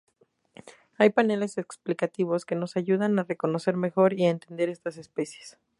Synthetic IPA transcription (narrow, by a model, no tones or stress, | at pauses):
ajpane̞le̞se̞ksplikat̪iβ̞o̞ske̞no̞saʝuðanare̞ko̞no̞se̞ɾme̞xo̞ɾiaent̪e̞nd̪e̞ɾe̞st̪ase̞spe̞sje̞̥s